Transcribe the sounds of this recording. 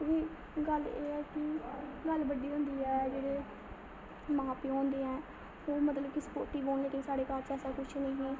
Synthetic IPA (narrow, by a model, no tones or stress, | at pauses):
ʋiː | ɡəleːɛːkɪɡəlbəɖiːɦʊ̃nd̪iːɛːd͡ʒeːɽeː | mãːpiːɦõːnd̪eːɛː | oːmət̪ləbkɪspoːɾʈiːboːnleːʈɪ̃ŋsaːɽeːkaːɾt͡ʃɛːsaːkʊt͡ʃʰnə̃ːɦɛː